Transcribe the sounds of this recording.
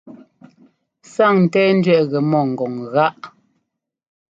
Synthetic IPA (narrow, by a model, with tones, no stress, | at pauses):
sa˦˨ŋn̩˨tɛː˦n̩˦dɥɛ˦˨ʔɣɛ˨mɔ˦˨ŋ̩˨ɡɔ˨ŋɣa˦ʔ